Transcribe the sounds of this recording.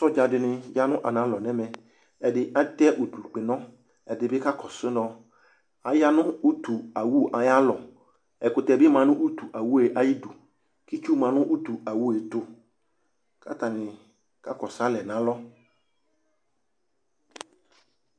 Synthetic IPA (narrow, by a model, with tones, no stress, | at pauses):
sɔ˦d͡ʒa˨dɪ˨nɪ̃˨ja˦nʊ̃˦ʔa˨nã˨˦lɔ˨nɛ̃˦mɛ˨ | ɛ˨dɪ˨ʔa˦t̪ɛ˦ʔu˨t̪u˨k͡pɪ˨nɔ̃˦ | ɛ˨dɪ˨bɪ˦ka˦kʰɔ˨sɪ˦nɔ˦ | a˨ja˦nʊ̃˦u˦t̪u˨a˨wu˦ʔa˨ja˦lɔ˨ | ɛ˨kʊ˨t̪ɛ˨bɪ˦mã˨nʊ̃˦ʔu˦t̪u˨ʔa˨wu˦e˨ʔa˦ji˦du˨ | ki˦t͡ʃu˦mã˨nʊ̃˦ʔu˦t̪u˨a˨wu˦e˨t̪ʊ˨ | kʰa˦t̪a˨nɪ̃˨ | ka̰˦kɔ˨sa˦lɛ˨nã˨˦lɔ˦